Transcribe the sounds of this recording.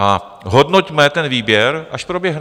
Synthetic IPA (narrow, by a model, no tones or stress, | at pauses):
a | ɦo̞dnocmɛt̪ɛnviːbjɛɾʔaʃpɾo̞bjɛɦn